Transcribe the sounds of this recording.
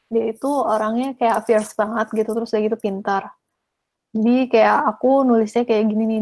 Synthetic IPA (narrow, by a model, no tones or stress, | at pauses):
dait̪uoɾaŋɲakajafiarspaŋat̪̚ɡit̪ut̪ɾʊsdaɡit̪upint̪ar | d͡ʒadikajaʔːkunulɪsɲakajaʔɡininɪ